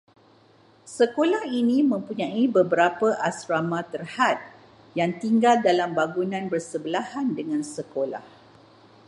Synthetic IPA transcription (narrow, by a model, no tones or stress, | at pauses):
səkolahinĩmə̃mpuɲãibəbəɾapəʔasɾamãt̪ərhat̪̚ | jaŋt̪iŋɡaldalambaɡunãnbərsəbəlahandəŋãnsəkola̰h